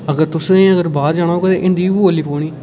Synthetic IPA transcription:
əɡəɾt̪ʊsəɡəɾbaːɾd͡ʒaːɽ̃aːoːket̪eːʔɪnd̪iːʋooːlːiːpoːɽ̃iː

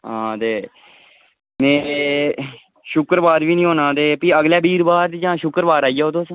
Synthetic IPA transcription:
ɦãːt̪eː | mɛ̃ː | ʃʊkɾbaːɾʋiːnĩːɦoːnãːt̪eːpiːəɡljaːbiːɾbaːɾd͡ʒãːʃʊkəɾbaːɾaːijaːoːt̪oːsə̃

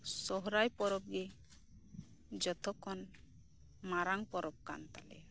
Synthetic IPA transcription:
sɔɦɾajpɔɾɔp̚ɡe | d͡ʒɔt̪ʰɔkʰɔn | maɾaŋpɔɾɔp̚ka̰nt̪a̰lɛ̰

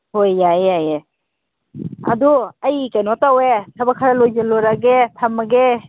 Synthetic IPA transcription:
hojːajaje | ɐ̰duɐjkajnɔtawetʰɐbakʰaɾalojzeloɾaɡetʰamaɡe

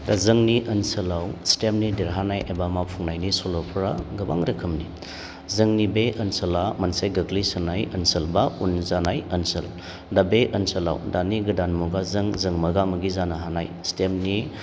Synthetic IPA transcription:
dazɯŋniʔɐnsɐlawstemnidiɾɦanajʔebamapʰuŋnajnisolopʰɾaɡɯba̰ŋɾɐkʰɯmni | zɯŋnibeʔɐnsɐlamɐnsajɡɐɡlisɐnajɐnsəlbaunzanajɐnsəl | dabeʔɐnsɐla̰wdaniɡɯdanmuɡazɯŋzɯŋmɐɡamɐɡizanaɦanajstemni

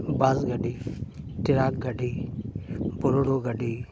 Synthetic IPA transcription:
baːzɡəɖʱiːt̪ɪɾaːk̚ɡʱəɖiː | bʊɾoɽoːɡəɖʱiː

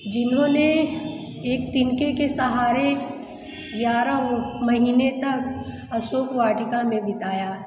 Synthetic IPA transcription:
d͡ʒɪnɦõne | eːk̚t̪ɪnkekesɐɦaːɾe | jaːɾəmɐɦiːnet̪ɐk | ɐsoːkʋaːʈɪkamẽbɪt̪aːjaː

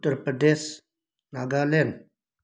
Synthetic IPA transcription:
t̪əɾpəd̪eːs | naːɡaːlen

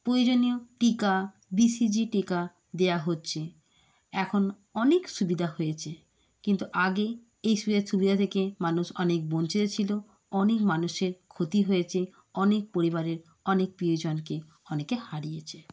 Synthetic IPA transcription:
pɾojd͡ʑonioʈika | bisid͡ʑiʈika | d̪eaɦotːɕʰe | ɛkʰon | ɔnekʃubid̪ʱahojet͡ɕʰe | kint̪uʔaɡe | ejʃubid̪ʱaɾʃubid̪ʱat̪ʰekemanuʃɔnek̚bont͡ɕʰid̪et͡ɕʰilo | ɔnekmanuʃeɾkʰot̪iɦojet͡ɕʰe | ɔnek̚poɾiβaɾeɾ | ɔnek̚pɾiod͡ʑonke | ɔnekehaɽijet͡ɕʰe

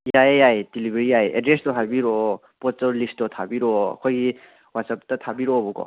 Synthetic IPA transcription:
jajajdilibeɾiajɛ̰dɾestɔɦajbiɾɔ | pɔttɔlisttɔtʰabiɾɔa̰kʰɔjɡi | watsap̚tatʰabiɾɔbɔkɔ̰

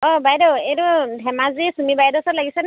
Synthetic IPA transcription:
ɔbajdɔeɾɔdʱɛmazisumibajdɔsɔlaɡisɛn

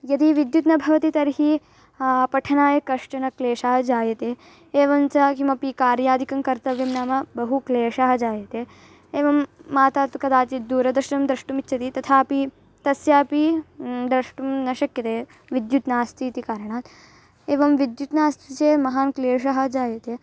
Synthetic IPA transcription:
jɐd̪iʋid̪jut̪nɐbʱɐʋɐt̪it̪ɐɾɦi | pɐʈʰɐnaːjɐkɐʂʈɐnɐkleːʂaːɦɐd͡ʒaːjɐt̪eː | eːʋɐmt͡ʃɐkimɐpikaːɾjaːd̪ʱikɐmkɐɾt̪ɐʋjɐmnaːmɐbɐɦukleːʂaɦɐd͡ʒaːjɐt̪eː | eːʋɐmːaːt̪aːt̪kɐd̪aːt͡ʃid̪uːɾɐd̪ɾɐʂnɐmd̪ɾɐʂʈumitːt͡ʃʰɐt̪it̪ɐt̪ʰaːpi | t̪ɐsjaːpid̪ɾɐʂʈumnɐʃɐkjɐt̪eː | ʋid̪jut̪naːst̪ʰiːt̪ikaːɾɐɳ̃aːt̪ | eːʋɐmʋid̪jut̪naːst̪ʰit͡ʃeːmɐɦaːnkleːʂɐɦɐd͡ʒaːjɐt̪eː

